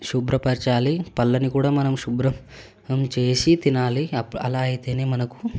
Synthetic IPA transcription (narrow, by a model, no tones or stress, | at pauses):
ʃubɾɐpɐɾt͡ʃaːlipɐlːɐnikuːɽaːmɐnɐmʃubɾɐm | mt͡ʃe̞ːsit̪inaːliɐpːɐ̰laːɐjit̪e̞ːne̞ːmɐnɐku̥